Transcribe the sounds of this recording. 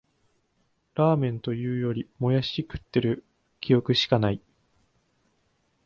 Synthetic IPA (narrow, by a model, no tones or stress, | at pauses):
ɾaːmẽ̞nt̪o̞jɯ̟ːjo̞ɾʲimo̞jaɕikɯ̟̥t̪ːe̞ɾɯ̟ | kʲijo̞kɯ̟ɕi̥kanai